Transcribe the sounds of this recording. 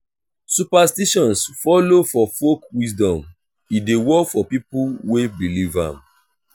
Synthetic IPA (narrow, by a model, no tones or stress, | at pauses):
supastiʃɔ̃nsfɔlofɔfokwisdɔ̃m | idewɔkfɔpipuwebilivã̰m